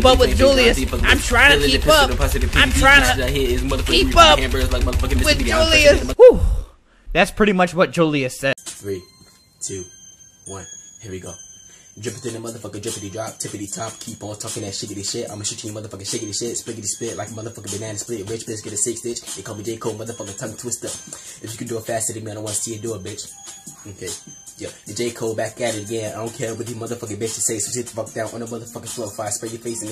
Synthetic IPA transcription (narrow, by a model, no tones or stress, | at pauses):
pʌp̚wɨd͡ʒulˠiɨsifʌkãɪ̃mtʰɹ̥aɪ̃ŋtɨkipʌɾpʰasɪɪpʰãɪ̃mtʰɹ̥aɪ̃ahiɪzmʌðəfʌiipʌkæ̃mbəzlaɪk̚mʌðəfʌkə̃ɪwɪd͡ʒulˠiɨsu | ðætspʰɹ̥ɪɾimʌt͡ʃwʌt̚d̥ʒ̥ulˠiɨsɛ̥θɹi | tʰʉ | wʌ̃nhiɹwjiɡoʊ̥d͡ʒʌ̃mpədʉɪ̃nəmʌðə˞fʌkəd͡ʒɪ̃pɪk̚idɹɑp̚tʰɪpɪklitʰap̚kʰipɔtʰɔkɪ̃ŋlaʊtʃɪɡɨɾiʃɪtã̰ɪməʃʉt͡ʃɪ̃ŋjəmʌðə˞fʌkɨʃɪɡɨɾiʃɪtsplɪɡɨɾisplɪtlaɪk̚mʌðə˞fʌkəbɨnæ̃nɨsplɪtwɪt͡ʃb̥ɪsɡɛɾɨsɪksɪt͡ʃjɨkʰɔlˠbid͡ʒeɪkʰoʊmʌðə˞fʌkətʰʌ̃ŋtʰw̥ɪstəɨfjɨkɨ̃dɨəfæstɨɾɪmiaãwɑ̃nəsiɨdəəbɪt͡ʃokʰeɪjɛðɨd͡ʒeɪkʰoʊbæk̚ɡ̥æɾɨɾɨɡɛ̃naɪdõʊnkʰɛɹwɨðjəmʌðə˞fʌk̬ɨbɪt͡ʃtʰɨseɪssɪt̪ə̥fʌk̚d̥ãʊ̃nʔə̃nəmʌðə˞fʌkəfloʊfaɪspɹɪɡəfeɪsɪ̃ŋ